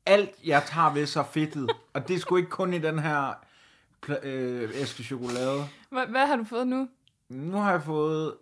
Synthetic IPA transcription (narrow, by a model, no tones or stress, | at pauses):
æl̰d̥jɑ̈ɪt͡sʰɑ̰̈ːʋe̝sɑ̈fe̝d̥ð̩ˠɒ̽d̥e̝sɡ̥ue̝ɡ̥əkʰɔ̽nid̥enɦæɐ̰ | pʰesɡ̥əɕo̝ɡ̥o̝lɛːð̞ˠəʋæɦɑ̈d̥ufɔːð̞̩ˠnu | nuhɑ̈jɑ̈fɔ̽ːð̩ˠ